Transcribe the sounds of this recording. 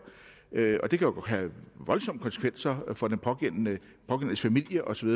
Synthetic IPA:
øɒ̽d̥e̝kʰæjo̝̥ɦæʋɒ̽lsɒ̽m̰ə̥kʰɒ̽nsə̥kʰʋen̰sɐfɒ̽d̥enpʰɒ̽ɡ̥en̰nə | pʰɒ̽ɡ̥en̰əsfæmil̰jəʔɒ̽sɒ̽ʋiðˠ

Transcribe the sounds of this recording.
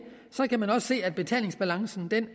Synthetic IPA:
sɒ̽kʰæmænɒ̽sse̝̰ːæd̥̚b̥e̝t͡sʰɛ̰ːle̝ŋsb̥ælɑ̈ŋsn̩d̥en

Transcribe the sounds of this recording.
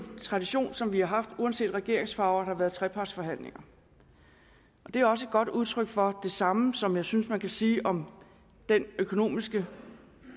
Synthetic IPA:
t͡sʰʁɑ̈d̥iɕo̝̰ːnsɒ̽mʋihɑ̈ɦɑ̈fd̥uænse̝̰ːd̥ʁɛɡ̥e̝ɐ̰e̝ŋsfɑ̈ʊɐd̥ɑʋæɐð̞̩ˠt͡sʰʁɛpʰɑ̈d̥sfɒ̽ɦæn̰le̝ŋɐ | ʔɒ̽d̥e̝æɒ̽s̬əe̝d̥̚ɡ̥ɒ̽d̥uð̞ˠt͡sʰʁœɡ̥fɒ̽d̥e̝sɑ̈məsɒ̽mjɑ̈ɪsynsmænkʰæsiːʔɒ̽m | d̥enøkʰo̝no̝̰ːmisɡ̥ə

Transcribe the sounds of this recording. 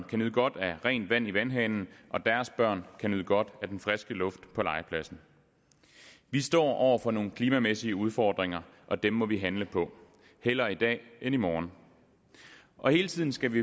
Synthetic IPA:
nkʰænyð̩ˠɡ̥ɒ̽d̥æʁɛ̰ːnd̥ʋæn̰iʋænɦɛːnn̩ʔɒ̽d̥æɐsb̥ɶɐ̰nkʰænyð̰ˠɡ̥ɒ̽d̥æd̥enfʁɛsɡ̥əlɔ̽fd̥pʰɒ̽lɑ̈ɪəpʰlæsn̩ | ʋisd̥ɒ̰ːʔɒʊ̰ɐfɒ̽no̝ːn̩kʰliːmæmesiəuð̞ˠfɒːd̥ʁeŋɐʔɒ̽d̥emːɒ̽ʋiɦænləpʰɒ̽ | hel̰ɐid̥ɛ̰ːenimɒːn | ʔɒ̽he̝ːlət͡sʰið̞̰ˠn̩sɡ̥æʋi

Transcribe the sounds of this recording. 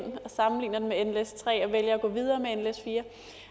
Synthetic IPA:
n̰ɒ̽sɑ̈mn̩lḭːnɐd̥emeenlest͡sʰʁɛ̰ːɒ̽ʋeljɐæɡ̥ɔ̰̽ːʋið̞ˠɐːmeenlesfiːɐ

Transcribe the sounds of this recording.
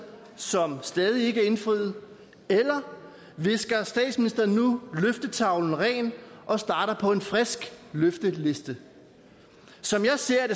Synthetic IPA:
sɒ̽msd̥ɛːð̞ˠie̝ɡ̥əæe̝nfʁiðð̩ˠ | elɐ | ʋe̝sɡ̥ɐsd̥ɛ̰ːd̥sminisd̥ɐn̩ːuløfd̥ət͡sʰɑ̈ʊln̩ʁɛ̰ːnʔɒ̽sd̥ɑ̈ːɾɐpʰɒ̽e̝nfʁɛsɡ̥løfd̥əle̝sd̥ə | sɒ̽mjɑ̈ɪse̝ɐ̰d̥e̝

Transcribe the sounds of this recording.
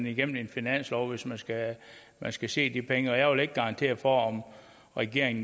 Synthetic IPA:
niɡ̥em̰n̩e̝nfinæn̰slɒʊʋe̝smænsɡ̥æ | mænsɡ̥æse̝̰ːd̥ipʰeŋəɒjɑɪʋe̝le̝ɡ̥ːɑ̈ʁɑ̈nt͡sʰe̝̰ːɐfɒɒm | ʁɛɡ̥e̝ɐ̰eŋn̩

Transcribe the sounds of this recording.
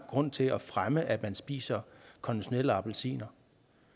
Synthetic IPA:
ɡ̥ʁɔ̽n̰t͡sʰe̝ɒfʁaməʔæd̥mænsb̥ḭːsɐkʰɒ̽niɕo̝nel̰əɑ̈b̥elsḭːnɐ

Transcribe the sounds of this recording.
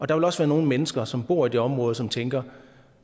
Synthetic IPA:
ʔɒ̽d̥ɑ̈ʋe̝lɒ̽sʋæːɐno̝ːn̩menəsɡ̥ɐsɒ̽mb̥o̝ɐ̰id̥e̝ɒ̽mʁɔːð̞̩ˠsɒ̽mt͡sʰeŋɡ̥ɐ

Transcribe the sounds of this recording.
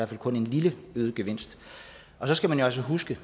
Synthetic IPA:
æɐfæl̰kʰɔ̽ne̝nliləøːð̞ˠəɡ̥eʋe̝n̰sd̥ | ɒ̽sɒ̽sɡ̥æmænjo̝ɒsəɦusɡ̥ə

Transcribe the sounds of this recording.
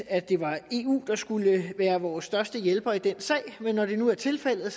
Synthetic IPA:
æ̥e̝ʋɑ̈e̝ːṵːd̥ɑ̈sɡ̥uləʋæːɐʋɒːsːd̥ɶɐsd̥əjelb̥ɐid̥en̰sɛ̰ɪ̰menːɒd̥e̝nuæɐt͡sʰe̝lfel̰ð̩ˠ

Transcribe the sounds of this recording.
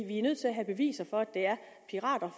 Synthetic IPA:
ʋiæɐnøð̰ˠt͡sʰe̝læɦæb̥e̝ʋḭːsɐfɒ̽æd̥eæɐ | pʰiʁɑ̰̈ːd̥ɐ

